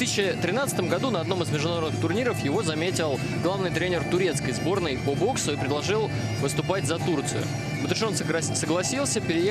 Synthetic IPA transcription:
t̪ɨsʲɪt͡ɕːɕɪt̪ɾʲɪnat̪st̪əmɡɐd̪unəɐd̪no̞mɨzmʲɪʐd̪ʊnɐɾod̪ɨxt̪ʊrnʲiɾəfjɪvo̞zɐmʲetʲɪlˠ | ɡlˠavnɨjt̪ɾʲenʲɪrt̪ʊɾʲe̞t̪skəjzbo̞rnəjpobo̞ksʊipɾʲɪd̪lˠɐʐɨlˠ | vɨst̪ʊpatʲzɐt̪urt̪sɨjʊ̰ | mɨt̪ɾʲɪʂonsəɡlˠɐsʲilˠsʲəpʲɪɾʲɪje

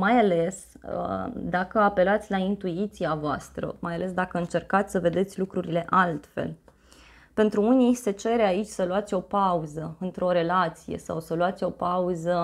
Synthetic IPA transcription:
majale̞sə̰d̪akəape̞lat̪sʲlaint̪uit̪siavoast̪ɾə̰majale̞s̬d̪akəɨnt͡ʃe̞rkat̪sʲsəve̞d̪e̞t̪sʲlukɾuɾile̞ʔalt̪fe̞̰l | pe̞nt̪ɾuuniset͡ʃe̞ɾeait͡ʃʲsəluat̪sʲo̞pauzəɨnt̪ɾeo̞ɾe̞lat̪sije̞̰sa̰wsəluat̪sʲo̞pauzə

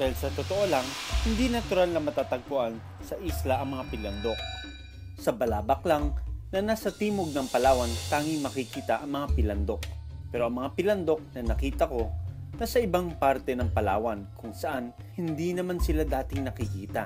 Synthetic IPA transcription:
d̪aːhilsɐt̪ot̪oʔo̞lɐŋhɪnd̪inɐt̪ʊɾalnɐmɐt̪aːt̪ɐɡ̚pʊʔan | sɐʔislɐʔɐŋmɐŋapɪlɐnd̪o̞k̚ | sɐbɐlaːbɐk̚lɐŋnɐnaːsɐt̪iːmoɡ̚nɐŋpɐlaːwɐnt̪aːŋɪŋmɐkɪkiːt̪ɐʔɐŋmɐŋapɪlɐnd̪o̞k̚pɛːɾo̞ʔɐŋmɐŋapɪlɐnd̪o̞k̚nɐnɐkiːt̪ɐko̞nɐsɐʔɪbaŋpaɾt̪ɛnɐŋpɐla̰ːwɐnkʊŋsɐʔan | hɪnd̪inɐmansɪlad̪aːt̪ɪŋnɐkɪkiːt̪ɐ

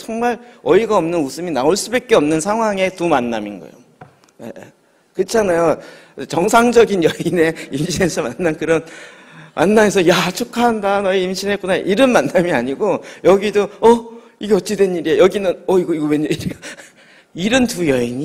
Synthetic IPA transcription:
t͡ɕʌŋmaɭʌiɡaʌmnɯnusʰɯminaoɭs͈ubek̚k͈eʌmnɯnsʰaŋɦwaŋe̞tumanːaminɡʌ̰jo̰ | jḛ | kɯt͡ɕʰanajo | et͡ɕʌŋsʰaŋd͡ʑʌɡinjʌine̞imɕʰinesʰʌmanːankɯɾʌn | mʔanːaes̬ʰʌjat͡ɕʰokʰaɦandanʌiimɕʰinek͈onaʔiɾɯnmanːamiaɲiɡojʌɡidoʌ | iɡeʌt͡ɕ͈idwenːiɾiejʌɡinɯnʌiɡʌiɡʌwenʌiɾiɡa | iɾɯntujʌiɲi

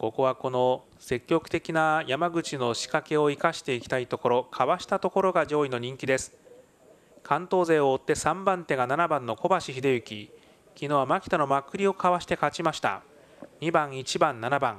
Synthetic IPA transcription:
ko̞ko̞βako̞no̞ | se̞kʲːo̞kɯ̟̥t̪e̞kʲinajamaɡɯ̟t͡ɕino̞ɕi̥kake̞o̞ikaɕi̥t̪e̞ikʲi̥t̪ait̪o̞ko̞ɾo̞kʰaβaɕi̥t̪at̪o̞ko̞ɾo̞ɡaʑo̞ːino̞ɲ̟ĩŋkʲid̪e̞sɨ̥ | kʰãnt̪o̞ːze̞ːo̞ːt̪ːe̞sãmbãnt̪e̞ɡananabãnːo̞ko̞baɕiçid̪e̞jɯ̟kʲi | kʲino̞ːβamakʲi̥t̪ano̞makɯ̟ɾʲio̞kaβaɕi̥t̪e̞kat͡ɕimaɕi̥t̪a̰ | ɲ̟ibãɰ̃it͡ɕibãnːanabã̰ŋ

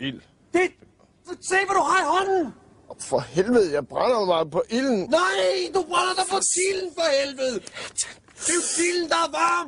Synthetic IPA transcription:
il | d̥e̝ | seʋæɾuɦɑ̈iɦɒnn̩ | fɒ̽helʋəð̞ˠjɑ̈ɪb̥ʁanɐmɑ̈pʰɒ̽ʔiln̩naɪd̥ub̥ʁanɐd̥ɑpɒt͡sʰiln̩pɒhelʋəðˠ | d̥et͡sʰiln̩d̥ɑ̈ʋɑm

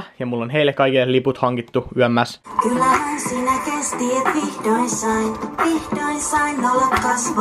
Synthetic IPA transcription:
jɑmulːonɦejlːekːɑikilːeliput̪hɑŋkit̪ːuyæmːæskylːæhænsiːnækest̪iːet̪ʋihd̪oinsɑinʋihd̥oinsɑinːolekkɑsʋɑ

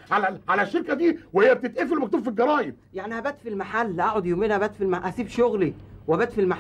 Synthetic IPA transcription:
ʕalæʕalæʃːeɾkæd̪iːwehejːæb̚t̪et̪ʔefilmæk̚t̪uːbfilɡɑɾˤɑːjeb | jaʕnihæbæːt̪filmaħalːʔæʕod̪jomiːnʔæbæːt̪filmaħʔæsiːbʃoɣliweʔæbæːt̪filmaħ

